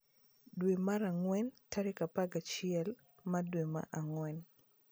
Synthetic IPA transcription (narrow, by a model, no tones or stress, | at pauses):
dwemaɾaŋwɛntaɾekapaɡat͡ʃɪɛl | madwema̰ʔaŋwɛn